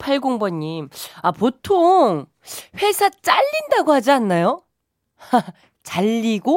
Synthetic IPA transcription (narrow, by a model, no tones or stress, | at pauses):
pʰaɭɡoŋbʌɲːimapotʰoŋ | ɸwe̞sʰat͡ɕ͈aʎːindaɡohad͡ʑianːajo | t͡ɕaʎːiɡo